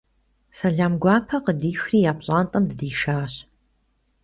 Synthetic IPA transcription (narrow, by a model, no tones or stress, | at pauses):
sɐɮaːmɡʷɑːpʰɐqədiːxriːjaːpɕʼaːntʼɐmdɨdiːʃaːɕ